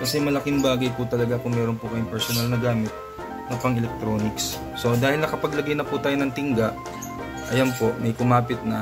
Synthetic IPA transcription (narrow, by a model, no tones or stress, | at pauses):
kɐsɛmɐlɐkɪŋbaːɡɐjput̪ɐlɐɡakʊŋmɛːɾo̞npʊkɐjʊŋpɛɾsonɐlnɐɡaːmɪt̪̚ | nɐpɐŋɛlɛk̚t̪ɾo̞ːnɪksː | o̞d̪aːhɪlnɐkɐpɐɡlɐɡɐjnɐput̪aːjonɐŋt̪ɪŋɡaʔ | ʔɐjɐnpo̞ʔmɐjkʊmaːpɪt̪̚nɐ